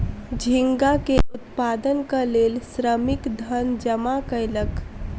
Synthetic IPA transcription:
d͡ʒʱɪŋɡakeʊt̪paːd̪ənkaleːlsɾəmɪkd̪ʱənd͡ʒəmakəɪlək

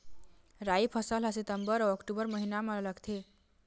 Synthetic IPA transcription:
ɾaipʰʌsəlɦasit̪əmbəɾʌəkʈubəɾməɦinamʌlʌɡt̪ʰe

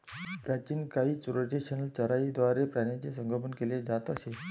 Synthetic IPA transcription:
pɾat͡ɕiːnkaɦiːt͡suɾəd͡ʑeɕənəlt͡ɕəɾaid̪ʋaɾepɾanat͡sesəŋɡʱəpənkeled͡zat̪əse

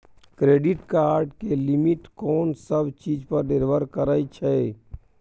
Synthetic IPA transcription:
kɾeːɖɪʈkaːɾɖkelɪmɪʈkɔːnsəbt͡ʃiːd͡ʒpəɾɖɪɾʋəɾkəɾaːit͡ʃʰɛ

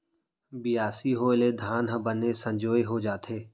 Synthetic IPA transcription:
bɪjaːsiɦoːɪled̪ʱaːnɦəbənesə̃ɲd͡ʒoːeɦod͡ʒaːt̪eː

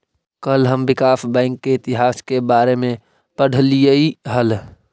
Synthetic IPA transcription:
kəlɦəmbɪkaːfbɛ̃ːɪŋkːeɪt̪ɪɦaːskebaːɾemẽ | pəɽ̤lijeiɦəl

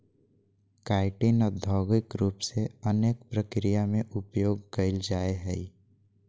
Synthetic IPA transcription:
kaːɪʈinɔd̪ʱɔːɡɪkɾuːpseəneːk̚pɾəkɾijamẽʔʊpjoːɡkəɪld͡ʒaːeɦɛi

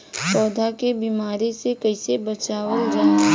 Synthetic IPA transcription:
sɔːd̪ʱakebiːmaːɾesekɐɪsebɐt͡ʃaːwəld͡ʒaːe

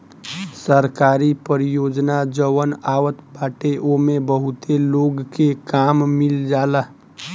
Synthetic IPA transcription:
səɾkaːɾipəɾijoːd͡ʒnad͡ʒəwənaːʋət̪baːʈeʔomebəɦʊt̪eloːɡkekaːmmɪld͡ʒaːla

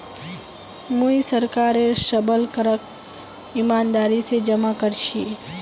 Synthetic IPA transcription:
muisəɾkaːɾeʃəbəlkəɾək | ɪmaːnd̪aːɾised͡ʒəmakəɾʃi

